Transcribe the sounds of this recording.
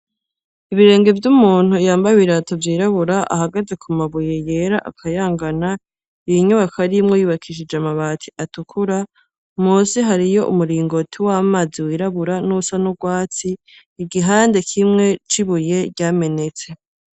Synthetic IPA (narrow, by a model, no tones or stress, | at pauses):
iβiɾe̞ːŋɡe̞vjumuːn̥hujaːmbaβiɾatovjiːɾaβuɾaʔa̰haɡaze̞kʰumaβuje̞je̞ːɾaʔakʰajaːŋɡana | iɲuβakʰaɾimŋojiβakʰiʃid͡ʒamaβaːtʰi̥ʔatukʰuɾa | musiɦaɾijo̞ʔṵmuɾiːŋɡo̞tʰiwamaːziwiːɾaβuɾanusanuɡwaːt͡siː | ɡiɦaːnde̞kʰimŋe̞t͡ʃiβuje̞ɟaːme̞ne̞t͡se̞